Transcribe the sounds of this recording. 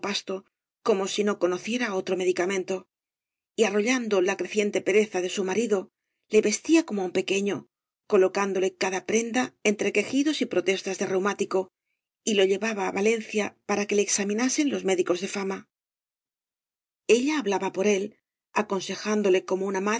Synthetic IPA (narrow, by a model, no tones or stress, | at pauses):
past̪o̞ | ko̞mo̞sino̞ko̞no̞θje̞ɾao̞t̪ɾo̞me̞ðikamẽ̞nt̪o̞ | iaro̞ʎand̪olakɾe̞θje̞nt̪e̞pe̞ɾe̞θaðe̞sumaɾiðo̞ | le̞βe̞st̪iako̞moumpe̞ke̞ɲo̞ | ko̞lo̞kand̪o̞le̞kaðapɾe̞nd̪ae̞nt̪ɾe̞ke̞xiðo̞sipɾo̞t̪e̞st̪azðe̞rewmat̪iko̞ | ilo̞ʎe̞βaβaːβale̞n̟θjapaɾake̞leːksamĩnase̞nlo̞zme̞ðiko̞zðe̞fama | e̞ʎaːβlaβapo̞ɾe̞l | ako̞nse̞xand̪o̞le̞ko̞mounama